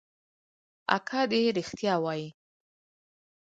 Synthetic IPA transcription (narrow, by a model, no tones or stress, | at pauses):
a̰kʰɑd̪eɾixt̪jɑwɑji